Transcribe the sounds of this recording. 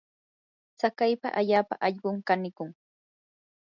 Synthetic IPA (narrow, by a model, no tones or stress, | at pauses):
t͡sakajpa̰ʔaʎaːpa̰ʔɑʎɢʊŋkanɪkʊŋ